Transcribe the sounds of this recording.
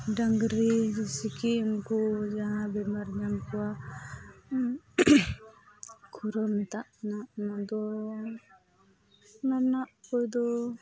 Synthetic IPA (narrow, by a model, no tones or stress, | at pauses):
ɖaŋɡɾid͡ʒisikiunkud͡ʒaɦãbɛmaɾɲamkuwa | kʰuɾɔmɛt̪aʔnaʔnad̪ɔ | maɾnaʔkɔjd̪ɔ